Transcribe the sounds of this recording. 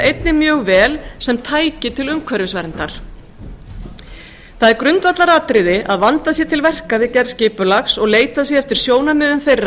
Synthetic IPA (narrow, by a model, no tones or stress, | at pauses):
ejt̪nɪmjœːɣvɛːlsɛmt̪ʰaːjcɪt̪ʰɪlʏmkʰvɛɾvɪsvɛɾnt̪aɾ̥ | θaðɛɾkɾʏnt̪vat̪laɾat̪ɾɪðɪʔaðvant̪asjɛt̪ʰɪlvɛr̥kavɪðcɛɾscɪːpʏlaxsɔɣleːjt̪asjɛɛft̪ɪɾ̥sjoːwnamʏːðʏnθejrː